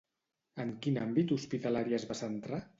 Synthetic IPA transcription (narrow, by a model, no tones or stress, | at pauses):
əŋkinambit̪uspit̪alaɾiəzβasənt̪ɾa